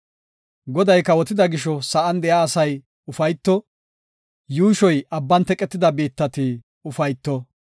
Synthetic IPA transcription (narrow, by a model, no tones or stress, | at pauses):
ɡɔd̪ɐjkːɐwɔt̪ːɪd̪ɐɡɪʃɔsɐʔɐnd̪ɛjaːsɐj | ʊfɐjt̪ːɔ | juːʃɔjʔɐbːɐnt̪ɛkʼːɛt̪ːɪd̪ɐbeːt̪ːɐt̪i | ʊfɐjt̪ːɔ